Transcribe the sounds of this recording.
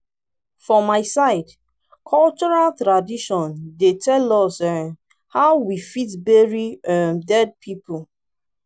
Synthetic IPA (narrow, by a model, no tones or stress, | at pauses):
fɔ̃maɪsaɪd | kʰɔlt͡ʃɔɹaltɹadiʃɔ̃ndetʰɛlɔsɛ | haʊwifitbeɹiɛmdɛd̚pʰipul